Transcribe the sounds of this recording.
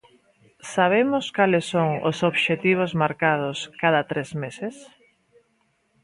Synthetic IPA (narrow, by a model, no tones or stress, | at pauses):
saβ̞emʊskalɪsːoŋo̰soβʃet̪iβ̞ozmaɾkað̞ʊskaðat̪ɾezmeses